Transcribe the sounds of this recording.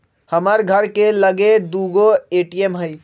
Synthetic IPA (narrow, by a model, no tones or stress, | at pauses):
həməɾɡʱəɾkeləɡed̪uɡoeʈiemɦəɪ